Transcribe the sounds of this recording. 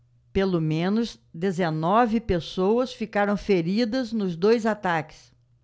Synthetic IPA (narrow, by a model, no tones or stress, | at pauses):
pelomẽnʊzd̪ezenɔvɪpesowɐsfikaɾɐ̃w̃feɾid̪ɐznʊzd̪ojzat̪akɪ̥s